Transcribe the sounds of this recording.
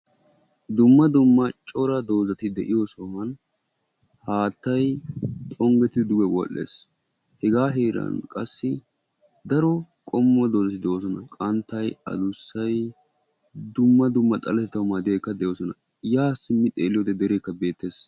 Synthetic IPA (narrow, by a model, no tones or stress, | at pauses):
d̪ʊmːɐd̪ʊmːɐt͡ʃʼɔɾɐd̪o̞ːzɐt̪ɪd̪ɛ̰ʔɪjɔsoːhɐn | haːt̪ːɐjt̪ʼɔŋɡɛt̪ɪd̪ɪd̪ʊɡɛwɔ̰ʔːḛːs | hɛɡaːɦeːɾɐ̰nkʼɐsːɪ | d̪ɐɾɔ | kʼɔmːʊɐd̪oːzɐt̪ɪd̪ɛos̬ɔnɐkʼɐnt̪ːɐjɐ̰d̪ʊsːɐj | d̪ʊmːɐd̪ʊmːɐt̪ʼɐlɛt̪ɛt̪ːɐwmad̪ɪekːɐd̪ɛjoːsɔnɐ | jaːsɪmːɪt̪ʼḛːlːɪjod̪ɛd̪ɛɾekːɐbe̞ːt̪ːe̞ːs